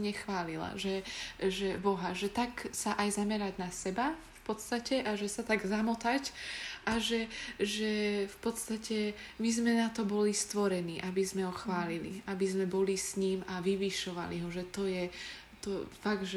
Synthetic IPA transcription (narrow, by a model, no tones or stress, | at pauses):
ɲɛxʋaːlila̰ʒɛʒɛbɔɦaʒɛt̪aksaʔajzamɛɾaɟnasɛbafpɔt̪st̪acɛʔaʒɛsat̪aɡzamɔt̪acʔaʒɛʒɛfpɔt̪st̪acɛmizmɛnat̪ɔbɔlist̪ʋɔɾɛniːʔabizmɛɦɔxʋaːlilḭabizmɛbɔlisɲiːmaʋiʋiʃɔʋa̰lḭɦɔʒɛt̪ɔjɛ | t̪ɔfaɡ̪ʒ